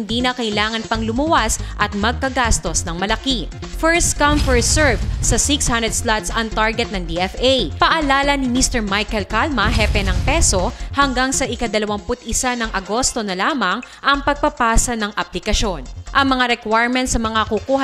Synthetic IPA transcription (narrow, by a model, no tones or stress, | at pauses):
ɪnd̪iːnɐkɐʔɪlaːŋɐnpɐŋlʊmɐwasʔɐt̪̚mɐɡ̚kɐɡast̪o̞snɐŋmɐlɐki | fɛɹst̪kɐmfɛɹsɛɹvsɐsikshãnd̪ɾɛd̪slat̪sɐŋt̪aɹɡɛt̪̚nɐŋd̪iɛfʔejpɐʔɐlaːlɐnɪmist̪ɛɹmajkɛlkalmɐɦɛpɛnɐŋpɛso̞hɐŋɡaŋsɐʔɪkɐd̪ɐlɐwɐmpʊt̪̚ɪsanɐŋʔɐɡo̞st̪o̞nɐlaːmɐŋ | ʔɐŋpɐɡ̚pɐpaːsɐnɐŋʔɐplɪkɐʃo̞nʔɐŋmɐŋaɾɛkwajɹmɛ̃nt̪sɐmɐŋakukuːhɐ